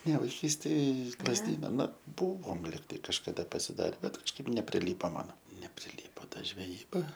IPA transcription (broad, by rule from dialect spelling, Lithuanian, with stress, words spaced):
nʲɛ ʋɐɪˈkʲiːsʲtʲeːj ɪʃ lˠɐzʲˈdʲiːnɐ ˈnʊ ˈbʊʋoːm ˈlʲɪktɐɪ kɐʃkɐˈdɐ pɐsʲɪˈdɑːrʲɛ ˈbʲɛt kɐʃˈkɐɪp nʲɛpʲrʲɪˈlʲiːpoː ˈmɑːnoː nʲɛpʲrʲɪˈlʲiːpoː ˈtɐ ʒʲʋʲɛˈjiːbɐ